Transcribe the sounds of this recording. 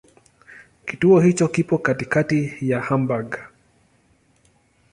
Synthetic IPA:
kituɔhit͡ʃɔkipɔkatikatijahambaɡa

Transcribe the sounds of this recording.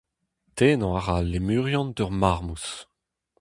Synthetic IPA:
t̪eːnɑ̃aʁalːemyːʁjɑ̃nd̪œʁmaʁmus

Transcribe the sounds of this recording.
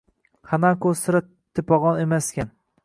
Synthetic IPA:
χanakost̪ɪɾa | t̪ʰɪpɒʁɒnemaskʲan

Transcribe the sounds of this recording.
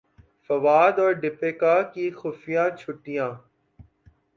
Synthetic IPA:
fɐʋaːd̪ɔːɾɖɪpeːkaːkiːxʊfijãːt͡ʃʰʊʈijãː

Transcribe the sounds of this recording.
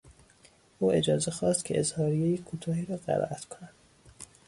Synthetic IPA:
ʔuːe̞d͡ʒɒːze̞xɒːst̪cʰeʔezhɒːɾijejekʰuːt̪ʰɒːhiːɾɒːɢæ̰ɾɒ̰ːʔæt̪kʰonænd̪̥

